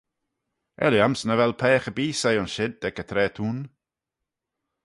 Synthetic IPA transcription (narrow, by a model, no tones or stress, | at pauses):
ʔɛ̰ljamsnəvɛlˠpʰɛːxəbiːsejɔnʃɪd̚ːɛkət̪ʰɾɛːtʰuːn